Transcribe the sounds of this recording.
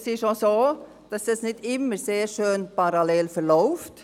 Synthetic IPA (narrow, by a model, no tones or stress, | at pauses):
sɪʃosoː | d̥ɑsd̥ɑsnɪdɪmːəɾseːɾʃøːnpɑɾɑlɛːlfəɾlɔʊft